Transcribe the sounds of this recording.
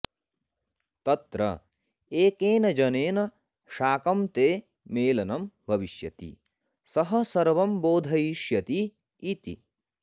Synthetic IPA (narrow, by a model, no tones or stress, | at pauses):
t̪ɐt̪ɾɐ̰ | eːkeːnɐd͡ʒɐneːnɐ | ʃaːkɐmt̪eː | meːlɐnɐmbʱɐʋiʃjɐ̰t̪ḭ | sɐɦɐsɐɾʋɐmboːd̪ʱɐjiʃjɐt̪iː | t̪ḭ